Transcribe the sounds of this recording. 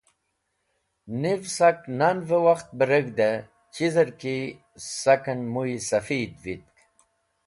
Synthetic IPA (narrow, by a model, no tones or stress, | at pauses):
nivsaknanvəwaxt̪̚bəɾəɡd̪ɐ | t͡ɕizəɾki | sɐkɐnmuisɐfiːd̪vit̪̚k